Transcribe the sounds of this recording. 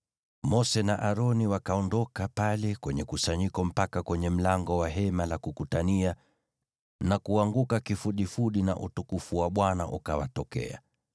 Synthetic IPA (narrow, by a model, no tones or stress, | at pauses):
mɔsɛnaʔaɾɔniwakaɔndɔkapalɛkwɛɲɛkusaɲikɔm̩pakakwɛɲɛm̩laŋɡɔwaɦɛmalakukutania | nakuaŋɡukakifuɗifuɗina̰ʔutukufuwaɓwanaʔṵkawa̰tɔkɛ̰a̰